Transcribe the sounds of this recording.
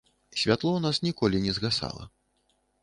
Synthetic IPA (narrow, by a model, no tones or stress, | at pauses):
sʲvʲat̪lˠɔunasnʲikɔlʲinʲɛzɣasa̰lˠɐ̰